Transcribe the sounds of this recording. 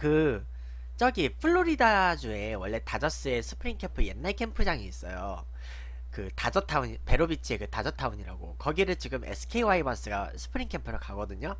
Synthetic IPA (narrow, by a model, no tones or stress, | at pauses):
kɯ | t͡ɕ͈ʌɡipʰɯɭːoɾidad͡ʑue̞wʌɭːe̞tad͡ʑʌs͈ɯe̞sʰɯ̥pʰɯɾiŋkʰe̞mpʰɯje̞nːaɭkʰe̞mpʰɯd͡ʑaŋiːs͈ʌ̰jo̰ | kɯtad͡ʑʌtʰauɲipe̞ɾobit͡ɕʰie̞kɯtad͡ʑʌtʰauɲiɾa̰ɡo̰kʌɡiɾɯɭt͡ɕiɡɯmʔḛsʰɯ̥kʰeiwaibʌns͈ɯɡa̰sʰɯ̥pʰɯɾiŋkʰe̞mpʰɯɾɯkaɡʌdɯɲo